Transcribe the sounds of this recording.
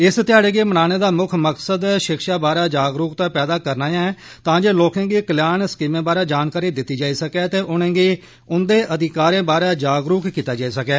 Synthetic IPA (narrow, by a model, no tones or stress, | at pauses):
ɪst̪ɪaːɽeːɡeːmənaːneːd̪aːmʊkʰməksəd̪ʃɪkʃaːbaːɾaːd͡ʒaːɡɾuːkt̪aːpɛːd̪aːkəɾnaːjãːɛ | t̪ãːd͡ʒeːloːkẽːɡiːkəljaːnskiːmẽːbaːɾaːd͡ʒaːnkaːɾiːd̪ɪt̪ːiːd͡ʒaːiːsəkɛːt̪eːʔʊnẽːɡiː | ʊnd̪eːʔəd̪ɪkaːɾẽːbaːɾɛːd͡ʒaːɡɾuːkkiːt̪aːd͡ʒaːiːsəkɛː